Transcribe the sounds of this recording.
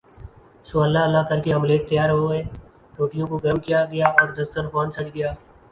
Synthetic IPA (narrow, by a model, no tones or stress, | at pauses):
sʊaːlaɐlːakɐɾkeɦɐmleːt̪̚t̪ɐjaːɾɦoɡeː | ɾoːʈɪjõkoɡɐɾmkijaɡɐjaɔːɾd̪ɐst̪əɾfaːnsɐt͡ʃɡɐjaː